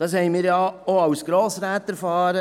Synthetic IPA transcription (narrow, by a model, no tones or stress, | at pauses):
d̥ɑːshɛɪmɪːɾjɑoɑwsɡ̥ɾoːsɾæːt̪ɛɾfɑːɾə